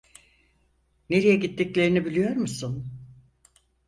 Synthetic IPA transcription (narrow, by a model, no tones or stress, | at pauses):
ne̞ɾijɛɟit̪ʰːiclʲe̞ɾinibilʲijo̞ɾmusun